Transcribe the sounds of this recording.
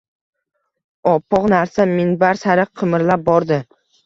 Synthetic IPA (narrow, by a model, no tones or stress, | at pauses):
ɒpːɒqnaɾsamɪnbaɾsaɾɨqʰɨmɪɾlap̚bɒɾd̪ɪ